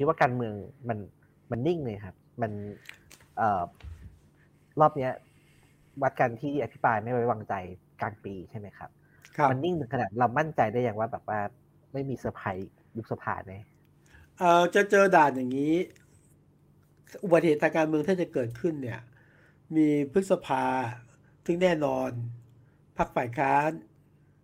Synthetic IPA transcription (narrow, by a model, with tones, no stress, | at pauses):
kʰi˦t̪̚waː˥˩kaː˧nmɯ˧əŋma˧n | ma˧nːi˥˩ŋnɯ˧˩kʰa˦˥p̚ma˧n | ʔɤː˨˩ | ɾɔː˥˩p̚ni˦˥ɐ | wa˦˥t̪̚ka˧nt̪ʰiː˥˩ʔa˧pʰi˦˥pɾaː˧jma˥˩jwa˥˩wa˧ŋt͡ɕa˧j | kaː˧ŋpiː˧t͡ɕʰa˥˩jma˦˥jkʰa̰˦˥p̚ | kʰa˦˧ma˧nːi˥˩ŋnʰɯ˨˩˦ŋkʰa˧na˨˩ɾa˧wma˥˩nt͡ɕa˧jda˥˩jaː˨˩ŋwaː˥˩bɛː˨˩p̚waː˥˩ | ma˥˩jmiː˧sɯː˨˩˦pʰa˧j | ju˦˥k̚sa˧pʰa̰ː˧na˧˦j | ʔɤː˧˩t͡ɕa˨˧˩t͡ɕɤː˧daː˨˩n̚ja˨˩ŋːiː˦˥ | ʔu˨˩ba˨˩t̪̚eː˨˩t̪ʰːaː˧ŋkaː˧nmɯ˧əŋt̪ʰiː˥˩t͡ɕa˨˩kɤː˨˩t̪̚kʰɯ˥˩nːi˥˩ɐ | miː˧pʰɾɯ˦˥t̪̚sa˧pʰaː˧ | t̪ʰɯ˥˩ŋnɛː˥˩nɔː˧n | pʰa˦˥k̚faː˨˩jkʰaː˦˥n